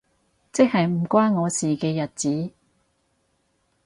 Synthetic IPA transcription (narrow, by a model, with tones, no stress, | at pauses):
t͡sɪ˥k̚hɐ˨jm̩˨˩kʷaː˥nŋɔː˨˧siː˨kɛː˧jɐ˨t̚t͡siː˨˥